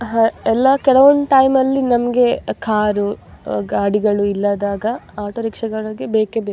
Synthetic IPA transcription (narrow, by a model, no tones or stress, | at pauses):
ɦaɛlːɐkɛɭɐʋond̪ʈɐjmɐlːinɐmɐɡe̞kʰaːɾuɡaːɽiɡɐɭuilːad̪aːɡɐaːʈoɾikʂɐɡɐɭɐɡebeːkebe